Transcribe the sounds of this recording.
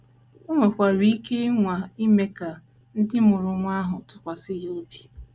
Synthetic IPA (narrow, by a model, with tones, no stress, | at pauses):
o˦ŋʷe˨kʷa˨ɾi˨˦kʰe˦ŋʷa˨i˦me˦ka˨ | n̩˦dɪ˦mʊ˨ɾʊ˨ŋʷa˦ɦʊ˨tʊ˨kʷa˨sɪ˦jo˦bi˦